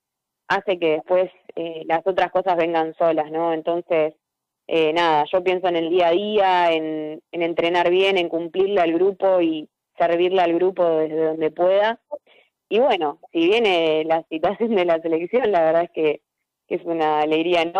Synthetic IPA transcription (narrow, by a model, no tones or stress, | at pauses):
ase̞ke̞ðe̞hpwe̞selaso̞t̪ɾasko̞sazβe̞ŋɡanso̞lasno̞e̞nt̪o̞nses | ʔenaðaʃo̞p̬je̞ns̬oene̞ld̪iaðiae̞nene̞nt̪ɾe̞naɾβje̞ne̞ŋkumpliɾlaalɣɾupo̞i | seɾβ̞iɾlaalɣɾupo̞ðeɦðe̞ðo̞nd̪e̞pwe̞ða | iβwe̞no̞siβ̞je̞nelasit̪wasjo̞nd̪e̞lase̞le̞ksjo̞nlaβeɾðaehke | kesunaːle̞ɣɾian